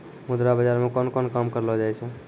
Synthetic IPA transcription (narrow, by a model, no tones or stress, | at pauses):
mud̪ɾabəd͡ʒaɾmekɔnkɔnkamkəɾlɔd͡ʒajt͡ʃʰɛ